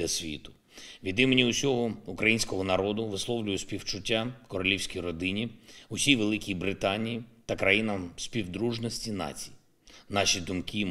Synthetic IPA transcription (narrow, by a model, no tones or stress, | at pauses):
ɐsʲʋʲḭt̪ʊ̥ | ʋʲid̪ɪmenʲiʊsʲɔɦɔʊkɾɐjinʲsʲkɔɦɔnɐɾɔd̪ʊʋɪslˠɔwlʲʊjʊsʲpʲiwt͡ʃʊtʲːakɔɾɔlʲiwsʲkʲijɾɔd̪ɪnʲiʊsʲijʋelˠɪkʲijbɾɪt̪ɑnʲijit̪ɐkɾɐjinɐmsʲpʲiwd̪ɾuʒnɔsʲtʲinɑ̰t͡sʲiji | nɑʃid̪ʊmki